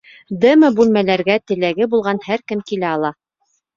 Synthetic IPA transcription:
d̪ɘmɤbʉlmælæɾɡæt̪ɘ̆læɡɘbulˠʁɑnhæɾkɘmkilæɑlˠɑ

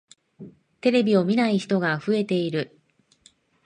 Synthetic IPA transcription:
t̪e̞ɾe̞bʲio̞mʲinaiçi̥t̪o̞ɡaɸɯ̟e̞t̪e̞iɾɯ̟

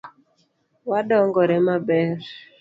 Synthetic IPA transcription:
waɗɔŋɡɔɾɛmabɛɾ

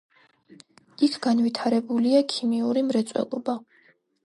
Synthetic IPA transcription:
ikʰɡ̥anvit̪ʰaɾɛbuliakʰimiuɾimɾɛt̪sʼwɛ̰lˠɔba

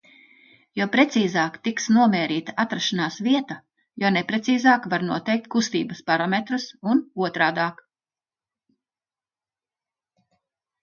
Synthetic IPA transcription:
jopɾet̪siːzaːkt̪iksnuɔmɛːɾiːt̪aat̪ɾaʃanaːsviɛt̪a | jonepɾet̪siːzaːkvaɾnuɔt̪ɛjk̚t̪̚kust̪iːbəspaɾamet̪ɾɨsunuɔt̪ɾaːd̪ɑːk

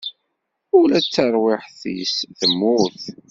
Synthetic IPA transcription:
ulæt͡sːəɾˤwɪħθḭsθəmːʊθ

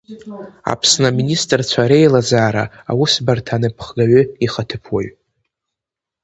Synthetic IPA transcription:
a̰pʰsnaministʼrt͡ɕʷʰaɾejlad͡zaːɾa̰awʊsbartʰanɨpʰχɡaɥʊiχətʰɨpʰwaɥ

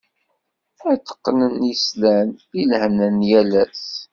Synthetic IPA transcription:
æt͡sːə̥qːnənjislænilhnənjælæs

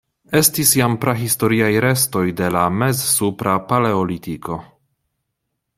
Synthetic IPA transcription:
e̞stisjampɾaɦisto̞ɾiajɾe̞sto̞jde̞lame̞zsupɾapaleolit̪ikʰo̞

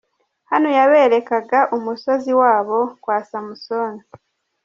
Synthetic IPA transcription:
hanojaβe̞ːɾe̞kaɡaʔumuso̞ziwaːβo̞kwaːsamuso̞ːni

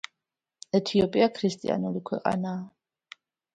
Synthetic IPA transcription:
ɛt̪ʰiɔpʼiakʰɾist̪ʼḭa̰nulikʰwɛqʼa̰naː

